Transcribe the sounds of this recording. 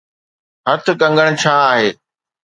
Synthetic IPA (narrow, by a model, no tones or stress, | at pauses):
ɦɐt̪ʰʊ̆kɐ̃ŋɡəɽ̃̆t͡ɕʰaːaːɦeː